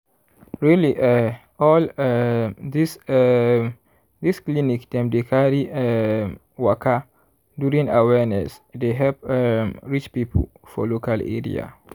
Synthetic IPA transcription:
ɹiliʔɛ | ɔl | dis | diskliniktãmdekʰaɹiɛ | wakʰa | duɹĩŋawɛnɛ̰sdeɦɛpɹit͡ʃpipʰo̰l | fɔ̰lokalɛ̰ɹḭa̰

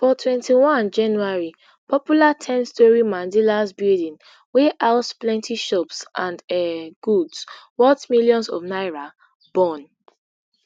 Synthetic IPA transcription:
fɔtʰwɛ̃ntiwɔ̃nd͡ʒãnuaɹi | pʰɔpjulatʰɛ̃nstɔɹimãndilasbildĩn | wɛʔaʊtplɛ̃ntʰiʃɔpsʔãndɛɡ̥udswɔtmiljɔ̃nsɔ̰vnaɪɹa | b̥ɔ̃n

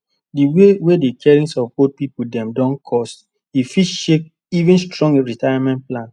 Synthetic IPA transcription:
diwewedekʰɛɹĩnsɔvbod̚pipudɛ̃mdɔ̃nkʰɔst | ifiʃek̚ | ivĩnstɹɔ̃ŋɡeɹitajamɛ̃nt̚plãn

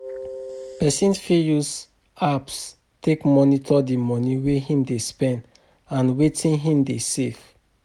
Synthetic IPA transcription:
pɛsĩnsfijus | aps | tekmɔnitʰɔdimɔniwehĩmdespɛ̃nd | ãnwetʰĩnɦĩmdesev

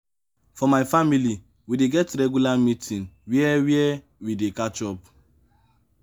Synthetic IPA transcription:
fɔmaɪfamili | wideɡɛtɾɛɡulamitʰĩnwiɛwiɛ | widekat͡ʃɔp

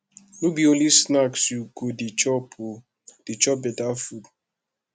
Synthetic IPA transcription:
nubionisnaksuɡodit͡ʃɔ | d̥it͡ʃɔbedafud

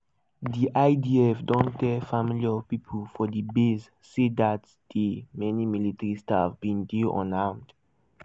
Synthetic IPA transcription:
diʔaɪdiɛfdɔ̃ntɛfamiliɔpipʰəlfɔdibiz | sidat | d̥əmɛnimilitɹistavbĩndiʔɔ̰nãʊ̃md

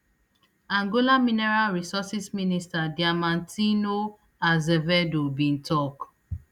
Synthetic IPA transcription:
ãŋɡolaminɛɹalɹisɔsisministadiamãntino | azɛvɛdobĩntɔk

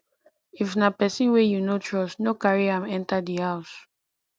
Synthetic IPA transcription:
ifnapɛsĩnwɛjunotʰɹɔsnokaɹiãmɛ̃ntadihaʊs

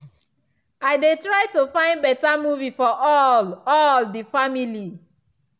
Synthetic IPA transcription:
aɪdetɹaɪtofãɪ̃ndbɛtamuvifɔɔɔldifamili

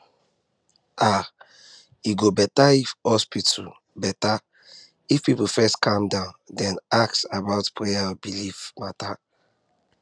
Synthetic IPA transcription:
a | iɡobɛtaifhɔspitʰu | bɛta | ifpipufɛstkʰãmdãʊ̃ndɛ̃naksabaʊtpʰɹɛjabilifmata

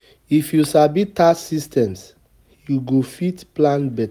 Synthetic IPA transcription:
ifjusabitasistɛ̃ms | juɡofitplãnbɛt

